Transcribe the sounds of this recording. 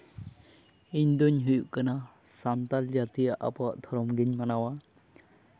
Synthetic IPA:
iɲd̪ɔɲɦujuʔkana | samt̪ald͡ʒat̪ijaʔa̰pɔa̰ʔt̪ʰɔɾɔmɡiɲmanawa

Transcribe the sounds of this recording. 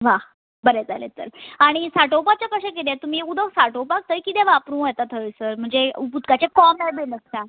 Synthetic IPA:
ʋa | bəɾed͡zalḛt͡s̪ə̰ɾaɽ̃isaʈopat͡ɕjakəɕak̬it̪̬ẽt̪um̤iːud̪əsaʈopak̚t̪əjkit̪ẽʋapɾũːəjt̪at̪ʰəsəɾm̤əɳd͡zeuput̪kat͡ɕekɔmnajbenəska

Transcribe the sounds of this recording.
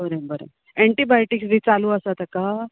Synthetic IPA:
əɾebəɾḛ | eɳʈibajʈiksd̪ʱiːt͡saluːəsat̪aka

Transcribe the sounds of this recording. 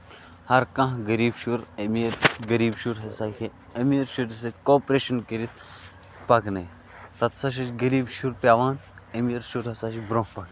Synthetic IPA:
hɐɾkɐ̃ɦɡɐɾiːbʃuɾɐmiɾɡɐɾiːbʃuɾɦɐsaːkʰi | ɐmiːɾʃuɾɐs̬ɐkʲkoːpɾeːʃɐnkəɾit̪̚ | pɐknɐj | t̪ɐt̪sɐʃ̬ɐt͡ʃɡɐɾiːbʃuɾpʲaːʋaːnɐmiːɾʃuɾɐsaːʃibɾõːɦpɐk

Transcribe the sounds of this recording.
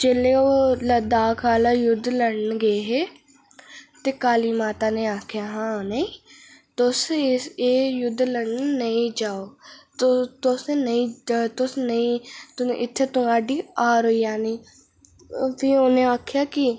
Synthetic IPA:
t͡ʃeːleoːləd̪aːkʰaːlajʊd̪ʱːləɽnɡəeɦeː | t̪ekaːliːmaːt̪aneaːkʰjaːɦãːnəĩt̪osɪeːjʊd̪ʱːləɽnnəĩd͡ʒaːoːt̪ot̪osenəĩt̪osnəĩt̪ʔɪt̪ʰːet̪ʊŋɡaːɖiːaːɾojaːniː | pionẽaːkʰjaːki

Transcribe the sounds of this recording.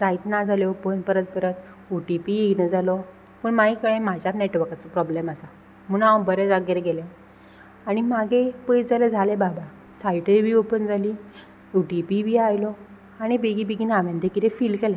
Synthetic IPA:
d͡zait̪nad͡zʱaljeopənpəɾət̪̚pəɾət̪ | uʈipienəd͡zalɔ | pəɳmaikəɭẽmad͡ʑjaneʈʋəɾkat͡sɔpɾɔblemasa | m̤uɽ̃awbəɾed͡zaɡeɾɡelɛ̃ | aɽ̃imaɡʱepəjd͡zaled͡zʱalebaba | sajʈəɾbiːopənd͡zʱaliː | uʈipibiːajlɔ | aɽ̃ibeɡibeɡinaʋẽnd̪ekiɾefiːlkɛlɛ̃

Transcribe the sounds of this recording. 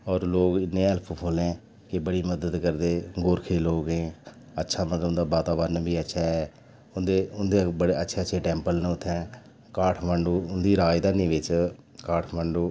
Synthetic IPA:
ɔːɾloːɡɪnːẽːəlpʰupʰoːlẽː | kɪbəɽiːməd̪əd̪kəɾd̪eːɡoːɾkʰeːloːɡɦẽː | ətːʃʰaːmət̪ləb̪d̪aːbaːt̪aːbaɾnbʱiːətːʃʰaːɛː | ʊnd̪eːʊnd̪eːbəɽeːətːʃʰeːətːʃʰeːʈɛ̃ːmpəlnːʊt̪ʰːɛ̃ː | kaːʈʰməɳɖoːʊnd̪iːɾaːjd̪aːnĩːʋɪt͡ʃ | kaːʈʰməɳɖoː

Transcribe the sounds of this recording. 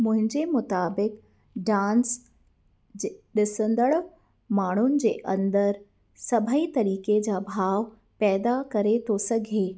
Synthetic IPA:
mʊ̃ɦɪ̃ɲd͡ʑemʊt̪aːbɪk | ɖãːns | d͡ʑɗɪsə̃nd̪əɭ | maːɳ̤ʊnɪ̆d͡ʑeːʔɐ̃nd̪əɾ | sɐbʱəit̪ɐɾiːked͡ʑabʱaːʋ | pɛːd̪akɐɾet̪ʰosɐɡʱeː

